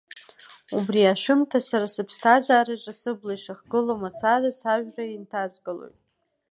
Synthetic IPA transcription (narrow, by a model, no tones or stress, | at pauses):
ubriaʃᶣʊmtʰasaɾasɨpʰstʰazaːɾaʈ͡ʂʼasɨblajʂɨχɡɨlomat͡sʰazasaʒᶣraintʰazɡʼɨlo̰jtʼ